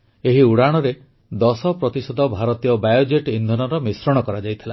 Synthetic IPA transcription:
eɦiuɽaɽ̃ɔɾe | d̪ɔsɔpɾɔt̪isɔd̪ʱɔbʱaɾɔt̪ijɔbajod͡ʒeʈind̪ʱɔnɔɾɔmisɾɔɽ̃ɔkɔɾad͡ʒajt̪ʰila

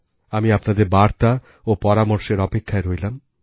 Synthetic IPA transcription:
amiapnad̪eɾbaɾt̪a | opɔɾamoɾʃeɾɔpekʰːaeɾojlam

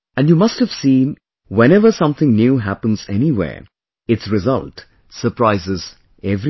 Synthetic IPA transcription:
æ̃nɖjuːmʌst̚həv̥sĩːn | wɛ̃nɛʋə˞sʌ̃mt̪ʰɪ̃ŋnjuːɦæpə̃nzɛniwḛːɹ | ɪtsɹɪzʌ̰lʈ | sə˞pɾaɪzɪz̥ | ɛvɾi

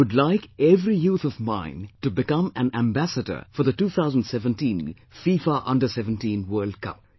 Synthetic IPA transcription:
ʊdlaɪkɛvɾijuːt̪ʰʌvmã̰ɪ̃ntubɪkʌ̃mæ̃næ̃mbæsədə̰˞fɔðətuːt̪ʰaʊzə̃n̩dsɛvə̃ntĩːn | fiːfaʔʌ̃ndəsɛvə̃ntĩnwɜːld̚kʰʌ̰p̚

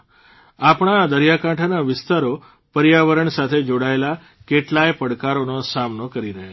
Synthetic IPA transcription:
apɳ̃ad̪əɾjakãʈʰanaʋɪst̪aɾo | pəɾjaʋəɾəɳsat̪ʰed͡ʒoɽaela | keʈlajpəɽkaɾonosamnokəɾiɾəɦe

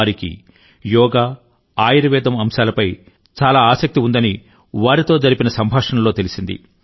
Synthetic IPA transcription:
ɾikḭ | jɔːɡaː | aːjɐɾɐʋɛːd̪ɐmɐmʃaːlɐpɐj | t͡ʃaːlaːaːsɐk̚t̪iund̪ɐni | ʋaːɾit̪o̞ːd͡ʒɐɾipinɐsɐmbʱaːʂɐnɐmlo̞ːt̪elisind̪ḭ

